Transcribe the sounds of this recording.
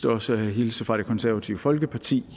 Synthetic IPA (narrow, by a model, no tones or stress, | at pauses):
d̥əɒ̽səæɦilsəfʁɑ̈ɾ̥e̝kʰɒ̽nsæɐʋæt͡sʰḭʊəfɒ̽lɡ̥əpʰɑ̈t͡sʰḭː